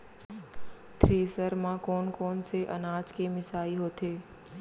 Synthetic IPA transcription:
t̪ʰɾeːsəɾmãkoːnkoːnseʔə̰naːd͡ʒkʰeːmɪsaːiɦoːt̪ʰeː

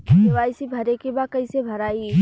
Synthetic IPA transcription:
ɐʋaːisibʱɐɾekebakɐĩsebʱɐɾaːi

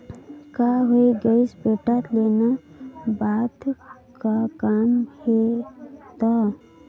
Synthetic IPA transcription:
kaɦoeɡəisbeʈat̪lenabad̪ | kakamhe | t̪a

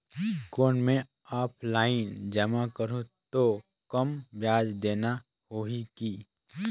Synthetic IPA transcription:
koːnmẽ | aːpʰlaːɪnd͡ʒəmakəɾũt̪o | kəmbjaːd͡ʒd̪eːna | hoːɦikiː

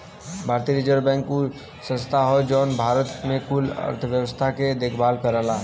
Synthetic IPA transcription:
bʱaɾt̪iɾid͡ʒəɾbɛ̃ŋkːu | sə̃nst̪ʰaɦɔd͡ʒɔːnbʱaɾət̪mekulə̰ɾt̪ʰʋjəwəst̪ʰaked̪ekʰbaːlkəɾəɦla

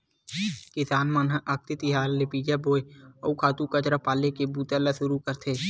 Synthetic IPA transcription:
kɪsaːnmənɦəʔɐk̚t̪ɪt̪iɦaːlːepiːd͡ʒaboːeɔ̰ukʰaːt̪ũkət͡ʃɾəpaːlekebuːt̪eləsʊɾukəɾt̪ʰeː

